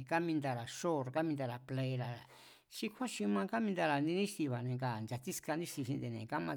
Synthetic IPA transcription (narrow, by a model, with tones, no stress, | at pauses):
ka˦mĩ˧nd̪a˧ɾa˨ʃo˦ɾka˦mĩ˧d̪a˧ɾa˨ple˧ɾa˨ | ʃi˧kʰʷa˦ʃi˧mã˧ka˦mĩ˧nd̪a˧ɾa˨nĩ˧nĩ˦ʂt̪i˧βa˨nẽ˧ka˨nd͡ʒa˧t̪i˦ska˧nĩ˦ʃt̪i˧ʃĩ˧nd̪e˧˨nḛ̃˨ka˦mã˧